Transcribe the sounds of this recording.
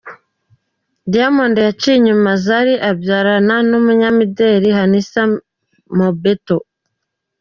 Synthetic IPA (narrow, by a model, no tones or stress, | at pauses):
diamondejat͡ʃiɲumazaɾiʔabjaɾananumuɲamideɾiɦanisa | mobeto